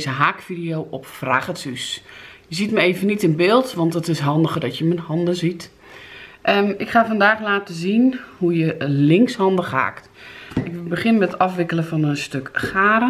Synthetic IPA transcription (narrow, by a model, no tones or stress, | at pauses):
zəɦaːkfidijowʔɔpfra̰ɣəsysjəzitməeːvənːitɪnbɪːlˠtʋɔntətɪsɦɔndəɣərdɔtjəmənhɔndəzit | ʔəɪkχaːfɔndaːxlaːtəzinhujəlɪŋkshɔndəxha̰ːkt | ɪkbəχɪnmɛttɔfʋɪkələfɔnənstøkxaːɾə